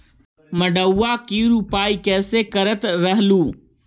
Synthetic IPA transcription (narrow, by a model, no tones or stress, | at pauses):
mɐɖəwːaːkiːɾupaːikeːseːkɐɾət̪ɾɐɦluː